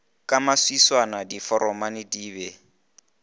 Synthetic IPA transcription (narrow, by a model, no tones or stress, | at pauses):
kʼamaswiswanadifɔɾʔɔmanɪdiːbɛ